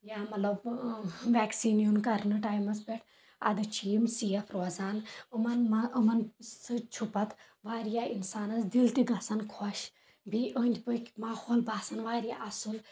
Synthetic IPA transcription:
jaːmɐt̪lɐbʋɛːksiːnjunkɐɾnɨʈaːjmɐsbeʈʰ | ɐ̰d̪ɨt͡ʃʰiːmsiːjɐfʰɾoːzaːnɨmɐnmɐɐmɐnsɨt͡ʃʰupɐt̪ | ʋaːɾijaːinsaːnɐsd̪ilt̪iɡɐsɐnkʰoʃ | bʱiʔənʲd̪ʲpɨkʲmaːhoːlbaːsɐnʋaːɾijaːʔɐsul

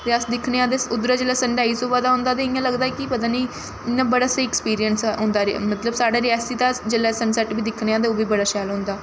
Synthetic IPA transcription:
t̪eːəsd̪ɪkʰneãːd̪eʊd̪ɾaːd͡ʒeːlɛːsəɳɖaːiːsoːbaːd̪aːɦõːnd̪aːt̪̬ẽːɪjãːləɡd̪aːkipət̪ãːniː | ɪnːãːbəɽaːseɛkspiːɾijənsɦʊ̃ːnd̪aːɾmət̪ləbsaːɖaːɾɪɛːst̪iːt̪ãːd͡ʒeːlɛːsənsɛːʈbiːd̪ɪkʰneːãːd̪eoːbiːbəɽaːʃɛːlɦʊ̃ːnd̪aː

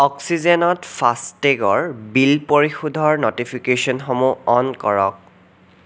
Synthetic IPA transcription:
ɔksizenɔtpʰasteɡɔɹbilpoɹixudʱɔɹnotipʰikesɔnxɔmuɔnkɔɹɔ̰k̚

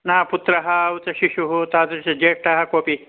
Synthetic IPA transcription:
naːput̪ɾɐɦɐut͡sɐʃiʃuɦut̪aːt̪ɐɾt͡ʃɐd͡ʒeːk̚ʈɐɦɐkoːpi

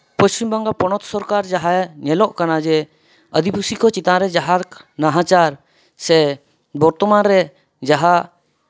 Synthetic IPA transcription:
pəst͡ʃimbaŋɡapɔnɔt̪sɔɾkaɾd͡ʒaɦaɲɛlɔʔkanad͡ʒɛ | əd̪ipusikɔt͡ʃit̪aɾɛd͡ʒaɦaɾnaɦãt͡ʃaɾ | sɛ | bɔɾt̪ɔmanɾɛ | d͡ʒaɦaʔ

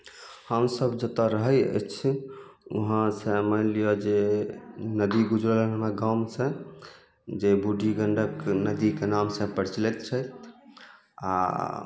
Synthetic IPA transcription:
həmsəbd͡ʒət̪aɾəɦəjə̰jt͡ʃʰ | ṵɦãsə̃məlijod͡ʒe | nəd̪iɡud͡ʒɾələnɦəmɾaɡamsẽ | d͡ʒebuɖʱiɡəɳɖəknəd̪ikenamsə̃pəɾt͡ʃlɛt̪t͡ʃʰət̪̚ʰ | a̰

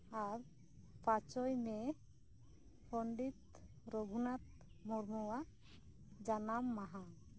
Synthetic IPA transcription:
aɾ | pat͡ʃɔjmɛ | pʰɔɳɖit̪̚ | ɾɔɡʱunat̪̚ | mɔɾmɔwa | d͡ʒanamːaɦã

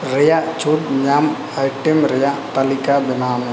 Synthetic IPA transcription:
ɾɛjaʔt͡ʃʰuʈɲam | ajʈɛmɾɛjaʔt̪alikabɛnaːm

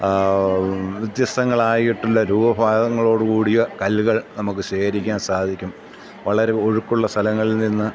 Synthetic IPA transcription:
ʋid̪jɐsɐŋːɐɭaːjiʈːulːɐɾuːbɐbʱaːdɐŋːɐɭo̞ːɽɨkuːɽijɐkɐlɣɐɭnɐmukːɨɕeːɾikʲːaːnsaːd̪ʱikʲːum | ʋɐɭɐɾe̞oɻukːuɭːɐst̪ʰɐlɐŋːɐɭilninːɨ

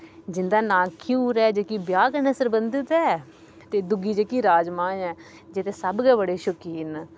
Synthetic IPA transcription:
d͡ʒɪnd̪aːnãːkʰjuːɾɛːd͡ʒekiːbjaːɡnɛsəɾbənd̪ət̪ɛː | t̪eːd̪ʊɡiːd͡ʒekiːɾaːd͡ʒmãːɛː | d͡ʒɪt̪eːsəbɡɛːbəɽeːʃʊkiːn

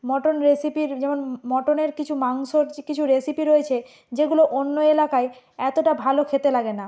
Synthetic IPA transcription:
mɔʈonɾesipiɾd͡ʑɛmonmɔʈoneɾkit͡ɕʰumaŋʃoɾkit͡ɕʰuɾesipiɾojet͡ɕʰe | d͡ʑeɡuloʔonːoelakae | ɛt̪oʈabʱalokʰet̪elaɡena

